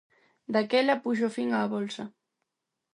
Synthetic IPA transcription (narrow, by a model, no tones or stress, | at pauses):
d̪akɛlɐpuʃ̬ofiŋaːβɔlsɐ